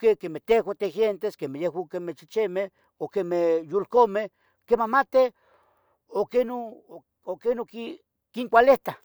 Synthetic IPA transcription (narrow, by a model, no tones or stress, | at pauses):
kekemeht̪exʷwat̪exjent̪eskemehjehwakemet͡ʃit͡ʃeme | okemehjulkomeh | kemamat̪e | okeno | okenoki | kiŋkʷaleht̪a